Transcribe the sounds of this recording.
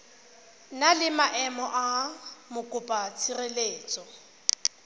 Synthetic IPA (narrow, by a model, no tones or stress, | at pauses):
nalɪmaʔɛmɔʔamʊkʼʊpʼat͡sʰireleːt͡sʼɔ